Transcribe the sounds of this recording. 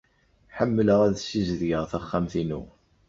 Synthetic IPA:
ħəmːələʁæðsizðʝəʁθæχːæmθinṵ

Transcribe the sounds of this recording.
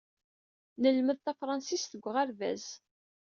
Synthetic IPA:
nəlməðt̪æfɾˤɑnsisθəɡʷːʁaɾvæ̰z

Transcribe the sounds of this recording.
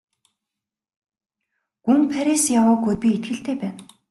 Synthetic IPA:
ɡ̥unpʰæɾesjawʊːɡujt̪̚pʲiet̪̚ɡɘ̆ɬt̪eːpæːn

